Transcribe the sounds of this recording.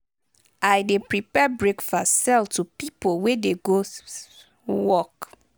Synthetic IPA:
ajdepɹipɛbɹekfɔsɛltʰupipolwedeɡo | wɔk

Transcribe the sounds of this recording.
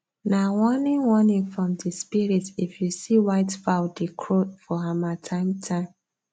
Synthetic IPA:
nawɔnĩnwɔnĩŋfɹɔ̃mdispiɹitifjusiwaɪtfaʊdikʰɹotfɔamatʰãɪ̃mtʰãɪ̃m

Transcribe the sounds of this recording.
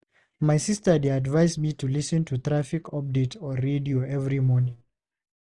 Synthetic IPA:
majsistə˞deadvajsmitʰulisɨ̃ntʰuθɹafikʰɔp̚ditʰɔɹedioɛvɹimɔnĩŋ

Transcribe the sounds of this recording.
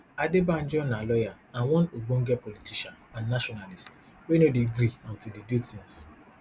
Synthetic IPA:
adebãn̩d͡ʒɔ̃nalɔja | ãnwɔ̃noɡ͡bõŋ̩ɡɛpolitiʃanãnːaʃɔnalist | wenodiɡɾiɔ̃ntildedutins

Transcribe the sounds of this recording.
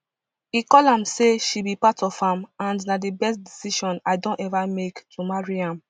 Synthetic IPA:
ikɔlãmseʃibipatʰɔfãmãnnadebɛst̚disiʃɔ̃naɪdõntɛvamektʰumaɹiãm

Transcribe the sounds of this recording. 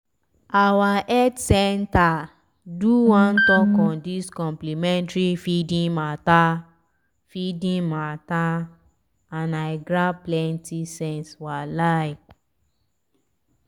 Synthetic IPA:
awaʔɛtsɛnta | duwãntɔkɔ̃ndiskɔ̃mplimɛ̃ntɹifidĩmata | fidĩmata | anaɪɡɾaplɛ̃ntisɛ̃nswalajk

